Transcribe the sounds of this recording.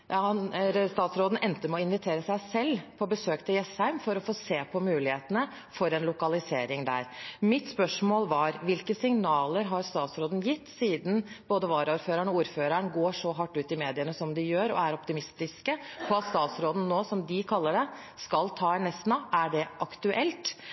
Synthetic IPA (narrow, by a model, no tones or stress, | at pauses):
ɑnst̪ɑːt̪sɾoːd̪n̩ʔɛnt̪əmɛɔɪnʋɪt̪ʰeːɾəsæɪsɛlːpʰɔbəsøːkt̪ʰɪljɛshæɪmfɔɾɔfoːseːpʰɔmʉːlɪheːt̪ənə | fɔɾɛnlʊkɑlɪseːɾɪŋd̪æ̰ɾmɪt̪spœʂmoːlʋɑɾʋɪlkəsɪŋnɑːləɾɦɑɾst̪ɑːt̪sɾoːd̪n̩jɪt̪ːsiːd̪n̩b̥oːd̪əʋɑːɾəuːɾføːɾəɳɔuːɾføːɾəɳɡoːʂɔɦɑʈːʉːt̪ɪmeːd̪ɪənəsɔmd̪ɪjøːɾɔ̰æɾɔpt̪ɪmɪst̪ɪskəpʰɔɑt̪st̪ɑːt̪sɾoːd̪n̩nːoːsɔmd̪ɪkʰɑlːəɖɛ | skɑlt̪ʰɑːɛnɛst̪nɑæɖɛʔɑkt̪ʉʔɛlt̪